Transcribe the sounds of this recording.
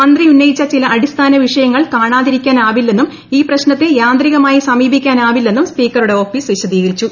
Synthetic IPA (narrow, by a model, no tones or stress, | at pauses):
ɐnd̪riunːɐjit͡ɕːɐt͡ɕilɐʔɐɽist̪ʰaːnɐʋiʂɐjɐŋːɐɭkaːɳaːðiɾikʲːaːnaːʋilːe̞nːum | iːprɐɕnɐt̪ːejaːnd̪riɣɐmaːjisɐmiːbikʲːaːnaːʋilːe̞nːumspiːkːɐruɽe̞o̞ːfiːsʋiɕɐd̪iːɣɐɾit͡ɕːu